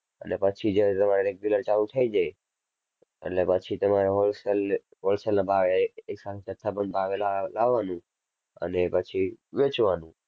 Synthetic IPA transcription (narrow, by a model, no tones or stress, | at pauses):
ənepət͡ʃʰid͡ʒet̪əmaɾeɾeɡjuləɾt͡ʃalut̪ʰəid͡ʒaj | ḛʈlepət͡ʃʰit̪əmaɾeɦolsəl | ɦolsəlnãbʱaʋeːksat̪ʰet͡ʃət̪ʰːabənbʱaʋellaʋːanũ | ə̰nepət͡ʃʰiʋet͡ʃʋanũ